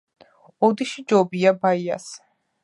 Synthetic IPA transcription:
ɔd̪iʃid͡ʒɔbiabaia̰s

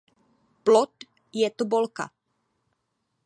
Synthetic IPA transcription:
plot̪ | jɛt̪obolka̰

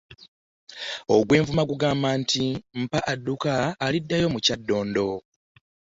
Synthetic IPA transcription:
o̞ɡwe̞ːɱvumaɡuɡaːmbantim̩paʔadːukaːlidːajo̞mucadːo̞ːndo̞

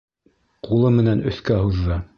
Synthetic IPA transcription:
qulˠɤmɘ̆nænɵ̆θkæhuðːɑ

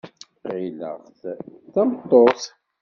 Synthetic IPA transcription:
qilə̰ʁθθæmt̪ˤːoθ

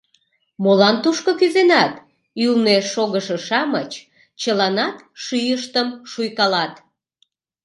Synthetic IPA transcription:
molɑnt̪uʃkokyzenɑt̪ | ylneʃoɣəʃə̆ʃɑmət͡ɕ | t͡ɕəlɑnɑt̪ | ʃyjəʃt̪əmʃujkɑlɑt̪

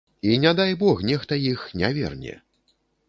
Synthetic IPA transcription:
inʲad̪ajbɔxnʲɛxt̪ɐjixnʲavʲɛ̰rnʲɛ̰

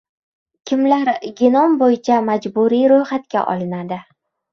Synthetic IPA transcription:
kʲʰɪmlaɾɡʲɪnɒmbojɪt͡ʃʰamad͡ʒbuɾiɾojχat̪kʲa̰ʔɒ̰lɪnad̪ɪ

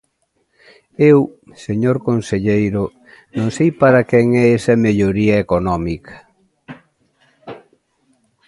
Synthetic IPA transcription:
ew | seɲoɾkonseʎejɾʊ | nõŋsejpaɾɐkɛŋɛesɐmeʎoɾiɐekonɔmikʰɐ̥

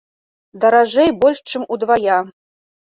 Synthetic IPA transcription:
d̪ɐɾaʐɛjbɔlʲʂt͡ʂɨmud̪vaja

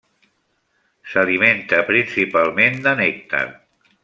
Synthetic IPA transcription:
saliment̪əpɾinsipalˠmend̪ənek̚t̪a̰n

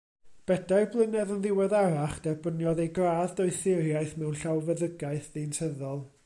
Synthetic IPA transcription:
b̥ɛdajblˠənɛðənðɪwɛðaɾaχd̥ɛbənjɔðejɡraːðdɔɨθɪɾjajθmɛwnɬawvəðəɡaɨθðintʰəðɔlˠ

